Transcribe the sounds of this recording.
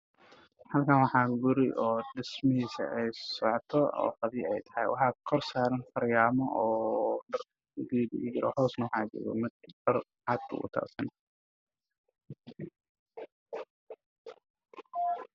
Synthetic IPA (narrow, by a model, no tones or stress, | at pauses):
hɐlkʰaːnwɑħɑːɡʊɾɪʔɔːɖɪsmɐɦiːsɐ̰ʔɛjsɔʕt̪ʰɔ̰ːfɐðiːɛjt̪ʰɐ̥hɛjwɑħɑːkʰɔrsaːɾɐnfɐɾjaːmɔʔɔːdɐrʰ | ɡiːdɪ̰ʔɪɾʔɔ̰hɔːsnɐwɑħɑːd͡ʒɔ̰ɣɔ̰mɪd̪̚bɐr | ʕɑd̪̚kʰṵʔʊ̰t̪ʰa̰ːsɐn